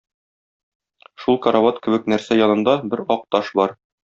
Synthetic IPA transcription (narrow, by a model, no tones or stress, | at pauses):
ʃulˠkɐɾavɑt̪kɘ̆bɘknæɾsæjɒnɤ̆nd̪ɑbɘɾɒq̚t̪ɑʃbɒɾ